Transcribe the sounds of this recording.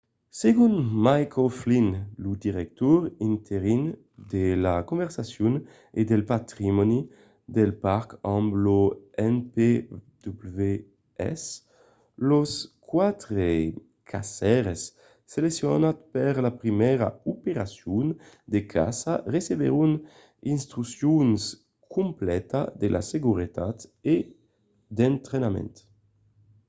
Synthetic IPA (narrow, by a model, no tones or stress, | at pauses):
seɡunmajkʰoflinlud̪iɾɛk̚t̪ɔɾint̪ʰeɾin | d̪elakõɱvɛɾsasjun | ed̪elpat̪ɾimɔni | d̪elpaɾkambloɛnped̪ublve | ɛ̰s | loskwat̪ɾe | kʰasɛɾesː | eleksjɔnat̪̚peɾlapɾimɛɾa̰upeɾasjun | d̪ekʰa̰sareseβḛɾun | inst̪ɾusjuns | kʰumplɛt̪ad̪elʔa̰seɡuɾet̪at̪e | d̪ent̪ɾenamɛ̰nt̪